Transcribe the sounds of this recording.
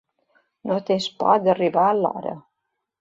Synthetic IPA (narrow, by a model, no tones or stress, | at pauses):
not̪espɔ̰d̪ərivaəlɔ̰ɾə̰